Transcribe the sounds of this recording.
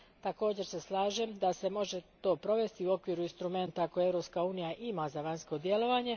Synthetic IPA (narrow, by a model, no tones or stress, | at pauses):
t̪ako̞ːd͡ʑe̞ɾse̞slˠaːʒemd̪ase̞mo̞ʒe̞t̪o̞ːpɾo̞ʋe̞st̪iuo̞kʋiːɾuinst̪ɾume̞nt̪ako̞jeeɾo̞pskauːnijaʔimazaʋaɲsko̞d̪je̞lo̞ʋaɲe̞